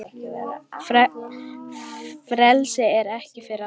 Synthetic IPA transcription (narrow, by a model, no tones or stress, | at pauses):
fɾɛlsɪɛɾɛhcɪfɪɾɪ